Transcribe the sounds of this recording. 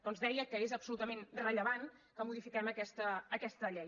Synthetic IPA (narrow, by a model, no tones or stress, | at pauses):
d̥̪ɔnzðɛjəkəezəpsulut̪əmenrəʎəβan | kəmuðifikɛməkɛst̪əːkɛst̪əʎɛj